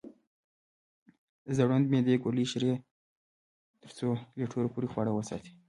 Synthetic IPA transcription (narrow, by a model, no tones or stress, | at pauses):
zaɽund̪med̪ekoliʃɾe | t̪əɾt͡soleʈʰoɾopuɾixwɑɽawəsɑ̰t̪i̥